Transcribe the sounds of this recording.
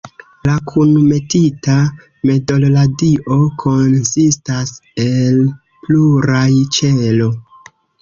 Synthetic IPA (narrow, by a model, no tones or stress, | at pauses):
lakʰunme̞tita | me̞do̞lladiʔo̞kʰo̞nsistase̞l | pluɾajt͡ʃelo̞